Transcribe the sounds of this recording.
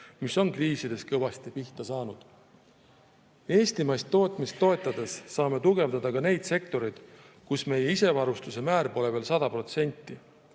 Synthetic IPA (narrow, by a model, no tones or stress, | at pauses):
miso̞nkriːsid̪̥e̞skɤvɑst̪ipiht̪ɑsɑːnud̪̥ | e̞ːst̪imɑjst̪ːo̞ːt̪ˑmist̪ːo̞e̞t̪ːˑɑd̪̥e̞sːɑːme̞t̪uɡe̞vd̪ɑd̪̥ɑkɑne̞jd̪̥se̞k̚t̪o̞ɾid̪̥ | kusme̞je̞ise̞vɑɾust̪use̞mæːɾpo̞le̞veːlsɑd̪ɑpro̞t̪se̞nʲt̪ːˑi